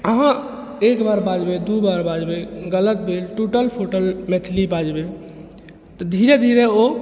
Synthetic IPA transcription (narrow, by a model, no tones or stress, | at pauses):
əɦã | ekbaɾbad͡ʒbed̪ubaɾbad͡ʒbeɡələt̪̚bʱelʈuʈəlpʰoʈəlmet̪ʰlibad͡ʒbe | t̪ɔd̪ʱiɾed̪ʱiɾeo